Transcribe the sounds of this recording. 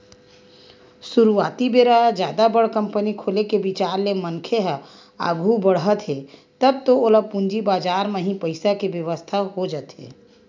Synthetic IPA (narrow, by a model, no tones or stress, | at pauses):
suɾuaːt̪ibeːɾad͡ʒjaːd̪abəɽkə̃mpənikʰoːlekebit͡ʃaːɾlemənkʰeɦə | a̰ɡʱubəɽɦət̪ɦet̪əb̚t̪ooləpũnd͡ʒibaːd͡ʒaːɾmẽɦĩpəɪsakeʋjəʋəst̪ʰaɦod͡ʒət̪ɦḛː